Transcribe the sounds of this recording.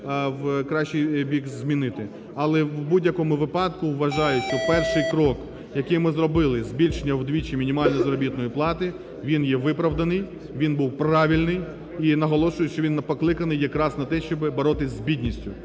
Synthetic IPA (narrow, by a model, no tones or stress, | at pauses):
wkɾɑʃt͡ʃijbʲikzʲmʲinɪt̪ɪ | ɐlˠɛwbudʲjɐkɔmʊʋɪpɑd̪kʊwːɐʒɑjʊt͡ʃɔpɛrʃɪjkɾɔk | jɐkɪjmɪzɾɔbɪlˠɪzʲbʲilʲʃenʲːɐwd̪ʋʲit͡ʃimʲinʲimɑlʲnɔzɐɾɔbʲit̪nɔjiplˠɑt̪ɪ | ʋʲinjɛʋɪpɾɐʋd̪ɐnɪj | ʋʲinbuwprɑʋʲilʲnɪj | inɐɦɔlˠɔʃʊjɛʃt͡ʃɔʋinːɐpɔklˠɪkɐnɪjːɐkɾɑznɐt̪ɛʃt͡ʃɔbɪbɐɾɔt̪ɪsʲzbʲid̪ʲnʲisʲtʲʊ